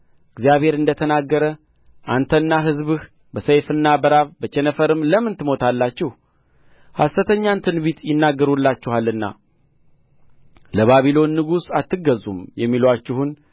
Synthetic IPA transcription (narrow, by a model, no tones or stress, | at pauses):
ɨɡzijaβhe̞ɾɨnd̪ət̪ʰənaɡːəɾə | ʔant̪ʰənːaɦɨzβɨh | bəsəjfɨnːabəɾabət͡ʃɛnəfəɾɨmləmɨnt̪ɨmo̞t̪ʰalːat͡ʃːɪh | hasət̪ʰəɲːant̪ʰɨnbit̪jɪnːaɡːəɾulːat͡ʃːɪhalɨnːa̰ | ləβaβilo̞nːɨɡusat̪ːɨɡəzːumjɛmːilwat͡ʃːɪhun